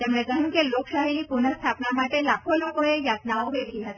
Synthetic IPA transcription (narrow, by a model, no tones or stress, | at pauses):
t̪emnẽkəɦũkeloksaɦenipunəst̪ʰapnamaʈelakʰolokoejat̪naoʋeɾɡiɦət̪i